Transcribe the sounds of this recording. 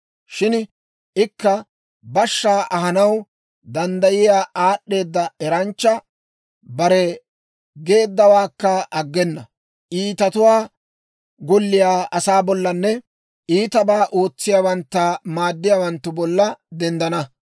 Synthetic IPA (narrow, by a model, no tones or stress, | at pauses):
ʃɪn | ʔɪkːɐ | bɐʃːaːʔɐɦɐnɐw | d̪ɐnd̪ɐjɪjaːʔaːɗːe̞ːd̪ːɐɛɾɐnt͡ʃːɐ | bɐɾɛ | ɡe̞ːd̪ːɐwaːkːɐʔɐɡːɛnːɐ | ʔiːt̪ɐt̪ʊwaː | ɡɔlːɪjaːʔɐsaːbɔlːɐnːɛ | iːt̪ɐbaːʔo̞ːt͡sːɪjaːwɐnt̪ːɐmaːd̪ːɪjaːwɐnt̪ːʊbɔlːɐd̪ɛnd̪ɐnɐ